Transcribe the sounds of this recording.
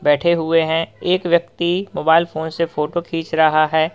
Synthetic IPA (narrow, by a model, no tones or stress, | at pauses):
bɛːʈʰeɦʊeɦɛ̃eːkʋjɐk̚t̪imoːbaːɪlfoːnsefoːʈokʰĩːt͡ʃɾɐɦaɦɛː